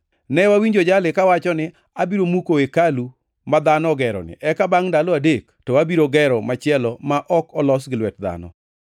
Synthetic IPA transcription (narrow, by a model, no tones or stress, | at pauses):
nɛwawiɲd͡ʒod͡ʒalɪkawat͡ʃɔnɪ | abiɾomukoekalu | mad̪anɔɡɛɾɔ̰nɪ̰ʔɛkabaŋdalɔadektɔabiɾoɡɛɾɔmat͡ʃɪɛlɔmaʔɔkɔlɔs̬ɡɪlwɛt̚d̪a̰nɔ̰